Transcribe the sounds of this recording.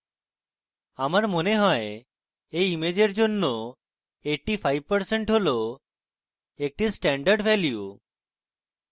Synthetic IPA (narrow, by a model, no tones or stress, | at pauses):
amaɾmoneɦɔe | ejimed͡ʑeɾd͡ʒonːo | eʈipʰajbpəɾseɳʈɦolo | ek̚ʈisʈɛɳɖəɾɖbɛlju